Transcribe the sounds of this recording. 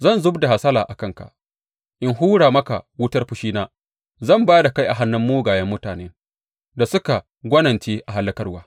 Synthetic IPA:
zɐ˦˨nzʊ˦bda˨ha˨sɐː˦laː˨ʔa˨kɐ˦˨ŋka̰˨ʔ | ʔɪ˦nɦuː˦ɽaː˨mɐ˦ka̰˨wʊ˦tɐ˦rɸʊ˨ʃiː˦naː˦ | zɐ˦˨mbaː˦da˨ka˦jʔa˨ɦa˦nːʊ˦mːuː˦ɡaː˨jɐ˦mːʊ˦taː˨neː˦ | da˨sʊ˦ka˨ | ɡʷɐ˦nɐ˨nt͡ʃeː˦ʔa˨ɦa˨lːɐ˦kɐ˦rwaː˦

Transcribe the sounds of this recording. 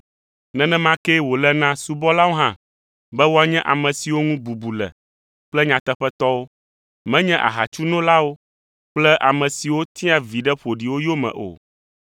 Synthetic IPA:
nɛ̃˦nɛ̃˦mã˦kɛ˦wo˨lɛ˦nã˦su˨bɔ˦la˦wo˦ɦã˦˨ | bɛ˦wo˦a˦ɲɛ̃˦ʔa˨mɛ̃˨si˨wo˦ŋũ˦bu˨bu˨lɛ̰˨ | k͡plɛ˦ɲã˨t̪ɛ˦ɸɛ˦t̪ɔ˦wo˦ | mɛ̃˦ɲɛ̃˦ʔa̰˨ɦa̰˨t͡ʃu˦nɔ̃˦la˦wo˦ | k͡plɛ˦ʔa˨mɛ̃˨si˨wo˦t̪i˦a˦vi˨ɖɛ˦ɸo˨ɖi˨wo˦jo˦mɛ̰̃˨ʔo̰˨

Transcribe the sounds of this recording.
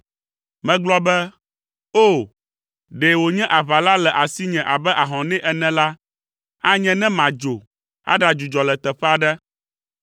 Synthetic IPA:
mɛ̃˨ɡ͡blɔ˦bɛ˦ | o˦˨ | ɖe˨wo˨ɲɛ̃˦ʔa˨βa˨la˦lɛ˨ʔa˨si˦ɲɛ̃˨ʔa˨bɛ˦ʔa˨ɦɔ̃˨nɛ̃˦ʔɛ˨nɛ̃˨la˦ | a˦ɲɛ̃˦nɛ̃˦mã˨d͡ʒo˨ | a̰˦ɖa˨d͡ʒu˨d͡ʒɔ˨lɛ˨t̪ɛ˨ɸɛ˦a˨ɖɛ˦

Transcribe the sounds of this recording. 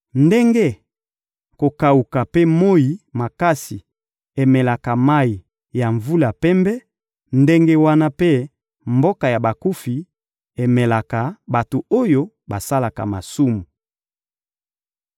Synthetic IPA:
nde˦ŋɡe˦ | ko˨ka˨u˨ka˨pe˦mo˦ji˨ma˨ka˦si˨ | e˨mɛ˨la˨ka˨ma˦i˨ | ja˨ɱvu˦la˨pɛ˦mbɛ˦ | nde˦ŋɡe˦wa˦na˦pe˦ | mbo˦ka˨ja˨ba˨ku˦fi˨ | e˨mɛ˨la˨ka˨ba˨to˨o˦jo˦ | ba˨sa˦la˨ka̰˨ma˨su˦mu˨

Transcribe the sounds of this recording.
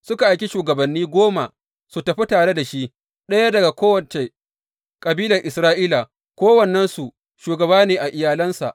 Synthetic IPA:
sʊ˦ka˨ʔa˨jkʲi˦ʃuː˨ɡɐ˨bɐ˨nːiː˦ɡʷoː˦ma˨ | su˨tɐ˨ɸi˦taː˨ɽe˦da˨ʃi˦ʔ | ɗɐ˦ja˦dɐ˨ɡa˨kʷoː˦wɐ˨t͡ʃe˨ | kʼɐ˨biː˦lɐ˨rʔɪ˨sɾaː˦ʔiː˦la˨ | kʷoː˦wɐ˨nːɛ˦nsu˨ʔ | ʃuː˨ɡɐ˨baː˦neː˨ʔa˨ʔɪ˨jaː˨lɐ˦nsa̰˨ʔ

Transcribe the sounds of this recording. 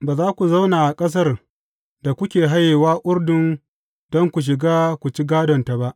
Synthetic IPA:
baː˨zaː˦kʷu˨za˦wnaː˨ʔa˨kʼɐ˦s̬ɐ˦r | da˨kʷʊ˦kʲeː˨ɦa˦jːeː˨waː˦ʔʷʊ˦rdʊ˨n | dɔ˦ŋkʷu˨ʃ̬ɪ˨ɡaː˦kʷu˨t͡ʃi˦ɡaː˦dɔ˨nta˨ba˦ʔ

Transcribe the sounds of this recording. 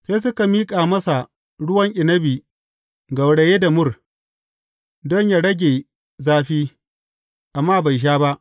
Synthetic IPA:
seː˦s̬ʊ˦ka˨miː˦kʼaː˨mɐ˦sa˨ | ɽʊ˦wɐ˦ŋʔɪ˨nɐ˦biː˨ | ɡɐ˨wɽe˨jeː˦da˨mʊ˦r | dɔ˦ɲjaː˦ɽɐ˦ɡʲeː˨ | zaː˦ɸiː˦ | ʔa˨mːaː˦ba˨jʃ̬aː˦ba˦ʔ

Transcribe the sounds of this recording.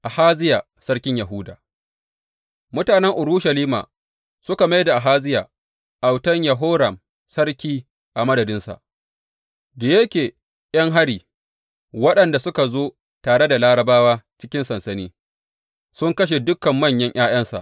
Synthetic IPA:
ʔa˨haː˦zɪ˦jaː˨ | sɐ˦ɽkʲɪ˦ɲja˨ɦʊː˦da̰ː˨ | mʊ˦taː˨nɛ˦ŋʔʊ˨ɽu˦ʃɐ˨liː˦ma̰˨ | sʊ˦ka˨ma˦jda˨ʔa˨ɦaː˦zɪ˦ja̰ː˨ | ʔa˨wtɐ˦ɲjɐ˨ɦoː˦ɾɐ˨m | sɐ˦ɽkʲiː˦ | ʔa˨mɐ˦dɐ˨dɪ˦nsa̰˨ʔ | da˨je˦kʲeː˨ | jɐ˦ŋɦa˦ɽiː˨ | wɐ˦ɗɐ˨nda˨sʊ˦ka˨zoː˦ | taː˨ɽe˦da˨laː˦ɾɐ˨baː˦waː˦t͡ʃɪ̥˦kʲɪ˦nsɐ˨nsɐ˦niː˦ | sʊ˦ŋkɐ˦ʃ̬e˨dʊ˦kːɐ˨mːɐ˦˨ɲjɐ˦ɲʔj̰aː˦j̰ɐ˦nsa̰˨ʔ

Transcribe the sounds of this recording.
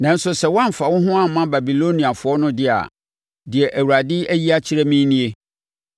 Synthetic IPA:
nã˨n̩˦sʊ˨sɛ˨wã˦m˨fa˨wʊ̃˦ɦʊ̃˦ã˦˨m˨mːã˦ba˨bi˨lo˦nĩ˨a˨fʊ˨ɔ˦nʊ̃˦dɪ˦a̰˨ | dɪ˨ɛ˨ʔæ˨wu˨ɾa˨dɪ˦ʔæ˦ji˦a˦t͡ɕʰi˦ɾɛ˦mĩ˦nĩ˦e˦

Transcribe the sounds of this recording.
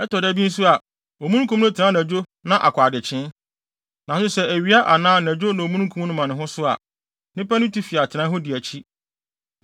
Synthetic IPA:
ɛ˦tɔ˨dɛ˦bi˦n̩˦sʊ˦a˨ | o˨mũ˦nũ˦kʰũ˦mnʊ̃˦tʰɪ˨nã˦næ˨d͡ʑo˦ | nã˦˨ʔa̰˨kʷʰa˨dɪ˨t͡ɕʰɪ̃˦n | nã˨sʊ̃˦sɛ˦æ˨ɥi˨˦a˦ʔa˨nãː˦næ˨d͡ʑo˦nã˨o˨mũ˦nũ˦kʰũ˦m˦nʊ̃˦mã˨nʊ̃˨ɦʊ̃˦sʊ˦a̰˨ | nɪ̃˦pɛ˦nʊ̃˦tʰi˦fi˨a˨tʰɪ˨nã˦ɦʊ̃˦dɪ˨æ˨t͡ɕʰi˦

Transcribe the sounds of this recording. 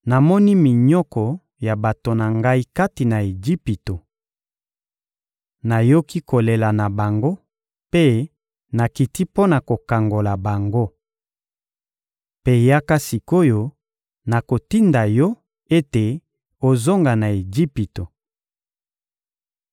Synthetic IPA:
na˨mɔ˦ni˦mi˨ɲɔ˦kɔ˨ | ja˨ba˨to˨na˨ŋɡa˦i˦ka˦ti˨na˨e˨d͡ʒi˦pi˨to˨ | na˨jo˦ki˦ko˨le˨la˨na˨ba˨ŋɡo˦ | pe˦ | na˨ki˨ti˦po˦na˨ko˨ka˨ŋɡo˨la˨ba˨ŋɡo˦ | pe˦ja˦ka˦si˨ko˦jɔ˦ | na˨ko˨ti˦nda˨jɔ˦ | e˦te˨ | o˨zo˦ŋɡa˨na˨e˨d͡ʒi˦pi˨to˨

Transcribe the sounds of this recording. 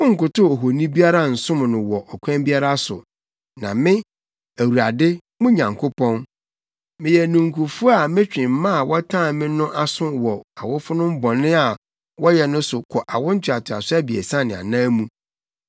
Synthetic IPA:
ʊ˦ŋ̩˨kʊ˨tʊ˦ɔ˨ɦo˨nĩ˦bi˦a˦ɾa˦˨n̩˨sʊ̃˦m˨nʊ̃˨wɔ˨ʔɔ˨kʷʰã˦mbi˦a˦ɾa˦sʊ̰˨ | nã̰˨mɪ̃˦ | æ˨wu˨ɾa˨dɪ˦ | mʊ̃˦ɲã˨ŋkʰʊ˦pʰɔ̃˦n | mɪ̃˨jɛ˨nũ˨ŋ̩˨kʰʊ˨fʊ˦a˨mɪ̃˦t͡ɕᶣɪ̃˨m̩˨˦mã˦a˨wɔ˦tʰã˦˨mɪ̃˦nʊ̃˦ʔa˦sʊ̃˦wɔ˨a˨wʊ˦fʊ˦nʊ̃˦m̩˦bɔ̃˨nɪ̃˦a˨ | wɔ˦jɛ˨nʊ̃˦sʊ˨kʰɔ˨ʔa˨wʊ˦n̩˦tʰɥa˨tʰʊ˨a̰˨sʊ˦æ˦bi˨ɛ̰˨sã˦˨nɪ̃˨a̰˨nãː˦mũ˦

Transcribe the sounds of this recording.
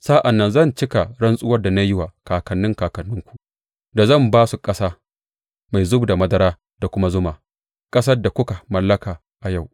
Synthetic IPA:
saː˦ʔa˨nːɐ˦nzɐ˦˨nt͡ʃɪ˦ka˨ɽɐ˦nsʼʊ˦wɐ˦rda˨na˦jɪ˦wa˨kaː˨kɐ˨nːɪ˦ŋkaː˨kɐ˨nːʊ˦ŋkʷu̥˨ʔ | da˨zɐ˦˨mbaː˦su˨kʼɐ˦saː˦ | ma˨jzʊ˦bu˨da˨mɐ˦dɐ˦ɾaː˦ | da˨kʷʊ˦ma˦zʊ˦maː˨ | kʼɐ˦sɐ˦rda˨kʷʊ˦ka˨mɐ˨lːɐ˦kaː˨ | ʔa˨ja˦˨w

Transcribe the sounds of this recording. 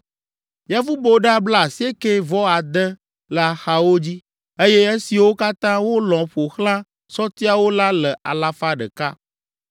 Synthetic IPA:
ja˦fu˦bo˦ɖa˦bla˦˨si˦e˦ke˦vɔ˦a˨d̪ə˦ | la˨xa˨wo˦d͡ʑi˦ | e˦jɛ˦e˦si˨wo˦ka˦t̪ã˦wo˦lɔ̃˨ɸo˨xlã˦ | sɔ˦t̪i˦a˦wo˦la˦lə˨a̰˨la˦fa˦ɖə̰˨ka˦

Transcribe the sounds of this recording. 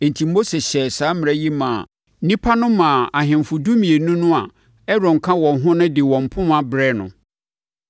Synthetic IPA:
e˨n̩˨tʰi˨mo˦se˨ɕɛ˨saː˨˦m̃˨ɾɛ˦ji˦mãː˨˦ | nĩ˦pʰa˦nʊ̃˦mãː˨a˨ɦɪ̃˨m˨fʊ˨du˦mĩ˨e˨nũ˦nʊ̃˦a˨ | ɛ˦ɾɔ̃˨ŋ˨kʰã˦wɔ̃˨nɦʊ̃˦nʊ̃˦dɪ˨wɔ̃˨m̩˨pʰʊ̃˦ma˨bɾɛ˦nʊ̰̃˨

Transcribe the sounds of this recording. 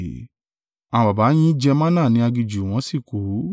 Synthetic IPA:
a˨ã˧ba˨ba˨˦j̃ĩ˦d͡ʒɛ˧mã˦nã˦˨nĩ˧˦a˧ɡi˧d͡ʒu˨w̃ɔ̃˨˧˦si˦˨ko˨˦

